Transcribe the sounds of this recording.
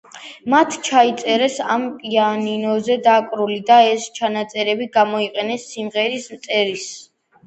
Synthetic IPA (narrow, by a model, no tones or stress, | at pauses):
mat̪ʰt͡ʃʰait̪sʼɛɾɛsampʼianinɔzɛd̪akʼɾulid̪aɛst͡ʃʰanat̪sʼɛɾɛbiɡamɔiqʼɛnɛsːimʁɛɾismt̪sʼɛɾis